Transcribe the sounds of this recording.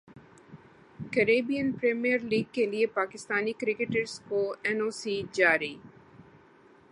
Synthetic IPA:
kəɾeːbijənpɾeːmijəɾliːɡ̚keliepaːkɪst̪aːnikɾɪkeʈəɾskoɛːnoːsid͡ʒaːɾiː

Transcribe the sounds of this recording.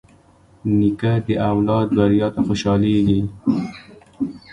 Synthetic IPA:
nikad̪əʔawlɑd̪̚baɾjɑt̪axoʃɑleɡi

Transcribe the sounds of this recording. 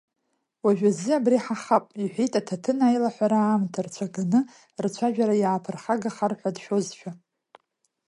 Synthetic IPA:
waʒᶣaziabriħaχapʼiħʷᶣijtʼatʰatʰɨnajlaħʷaɾaːmtʰart͡ɕʷʰaɡanɨ | rt͡ɕʷʰaʒᶣaɾajaːpʰɨrχaɡaχarħʷadʃᶣo̞zt͡ʃʷᶣʰa

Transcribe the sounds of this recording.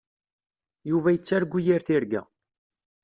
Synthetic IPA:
juvæjət͡sːaɾɡʷːijiɾθiɾɡæ̰

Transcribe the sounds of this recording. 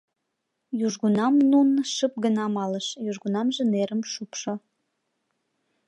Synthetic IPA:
juʒɣunɑmnunʃəp̚ɡənɑmɑləʃjuʒɣunɑmʒĕneɾəmʃupʃo

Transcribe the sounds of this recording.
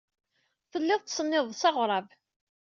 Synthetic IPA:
θəlːɪðˤt̪sənːɪðˤsɑʁɾˤɑv

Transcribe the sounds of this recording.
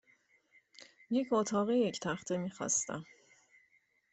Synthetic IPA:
je̞cʰot̪ʰɒːɣeject̪ʰæxt̪ʰemiːxɒ̰ːst̪æ̰m

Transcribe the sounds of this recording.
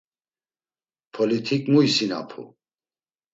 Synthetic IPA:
pʰɔlit̪ʰikʼmuisina̰pʰṵ

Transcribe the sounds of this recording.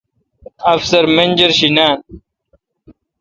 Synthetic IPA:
ɐfsɐɾmend͡ʑɐɾɕinaːn

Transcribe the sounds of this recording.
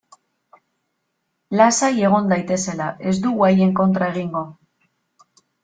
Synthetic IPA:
lasaje̞ɣ̞o̞nd̪ajt̪e̞se̞laʔe̞zd̪uɣaje̞ŋko̞nt̪ɾae̞ɣ̞iŋɡo̞

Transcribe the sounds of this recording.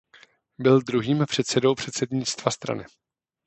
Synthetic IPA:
bɪld̪ɾuɦiːmpr̝̥ɛt̪sɛdo̞wpr̝ɛt̪sɛdɲɪt͡st̪vast̪ɾa̰nɪ

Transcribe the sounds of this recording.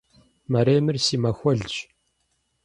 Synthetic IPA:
mɐɾeːmɨrsiːmɐxʷɔɮd͡ʒ

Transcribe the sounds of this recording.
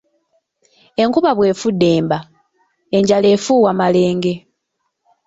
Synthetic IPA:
e̞ŋkuβaβwe̞ːfudːe̞ːmba | e̞ɲɟale̞ːfuːwamale̞ːŋɡe̞

